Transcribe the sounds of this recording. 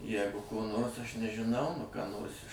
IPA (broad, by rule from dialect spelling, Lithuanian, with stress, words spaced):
ˈjæːɡʊ koː ˈnoːrs ˈɐʃ nʲɛʒʲɪˈnɐʊ nʊ kɑː ˈnoːrs ɪʃ